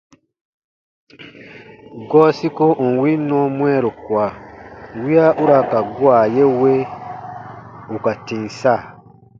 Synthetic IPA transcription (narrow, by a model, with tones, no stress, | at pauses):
ɡɔː˦si˦ko˦ʔ̩˨n̩˨wi˦nɔ̃˦mũ˦ɛ˦ɾo˨kwa˨wi˦a˦ʔu˦ɾa˨ka˨ɡu˦a˨je˦we˦ | u˨ka˨tĩ˨n˨sa˦˨